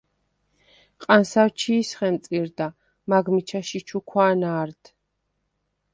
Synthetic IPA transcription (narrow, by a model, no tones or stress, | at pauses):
qʼansawt͡ʃʰiːsχɛnt̪sʼiɾd̪a | maɡmit͡ʃʰaʃit͡ʃʰukʰwaːnaːɾd̪̥